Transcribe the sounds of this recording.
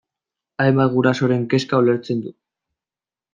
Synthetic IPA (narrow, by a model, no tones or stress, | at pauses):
aemaɣ̞uɾaso̞ɾe̞ŋke̞skaoleɾt͡se̞nd̪u